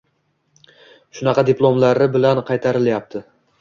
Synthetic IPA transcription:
ʃʊnɑqʰɑd̪ɪpʰlˠomlaɾɪbɪlanqʰɑjt̪ʰaɾɪljap̚t̪ʰɪ

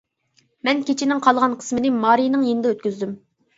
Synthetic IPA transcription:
mɛnkʲʰet͡ʃʰinɪŋqʰɑlˠʁɑnqʰə̥smɨnɨɪmɑːɾijnɨŋjenɪd̪ɛøt̪̚kʲyzd̪ym

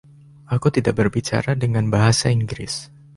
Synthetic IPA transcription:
ʔakut̪idaʔ̚bərbit͡ʃa̰ɾadəŋanbaɦasaiŋɡɾɪ̰s

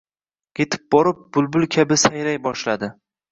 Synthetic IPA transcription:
ɡʲet̪ʰɪ̥p̚bɒɾɪp̚b̥ʊlˠbʊlˠkʲʰabɪsajɾajbɒʃlad̪ɪ

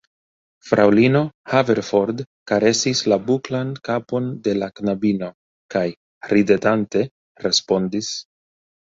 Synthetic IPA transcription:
fɾʔawlino̞have̞ɾfo̞ɾd | kaɾe̞sislabuklankapo̞nde̞laknabino̞ | kaj | ɾide̞tante̞ | ɾe̞spo̞ndis

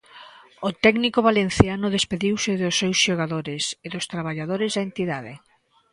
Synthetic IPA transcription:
ʊt̪ɛɡnikoβalen̟θjanʊðespeðiwsɪðʊsːɛwsʃoɣ̞aðoɾɪseðʊst̪ɾaβ̞aʎaðoɾɪzðaent̪iðaðe

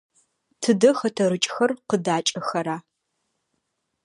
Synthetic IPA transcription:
tʰɨdɐxɐtʰɐɾɨt͡ʃʼxɐrqədaːt͡ʃʼɐxɐɾaː

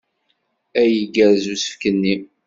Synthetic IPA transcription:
æjəɡəɾzusə̥fkənːi

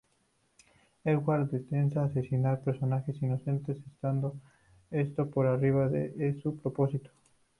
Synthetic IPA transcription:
ɛɣwald̪et̪ens̬aːsesinaɾpeɾsonaxesinoθent̪esest̪and̪o | est̪opoɾariβ̞aðeʔesupɾoposit̪o̥

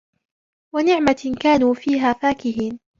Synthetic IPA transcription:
wanɪʕmakaːnuːfiːɦaːfaːkɪɦiːn

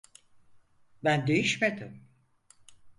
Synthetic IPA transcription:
bænd̪e̞jiʃmed̪ɪm

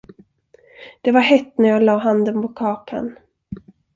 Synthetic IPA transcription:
d̪̥ɛvaɾɦɛt̪ːnæɾjɑːɡlɑːɦand̪ənpʰɔkʰɑːkʰa̰n

